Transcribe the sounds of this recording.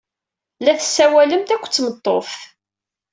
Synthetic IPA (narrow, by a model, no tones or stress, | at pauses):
læθə̥sːæwæləmt̪ækʷːt͡sːmət̪ˤːof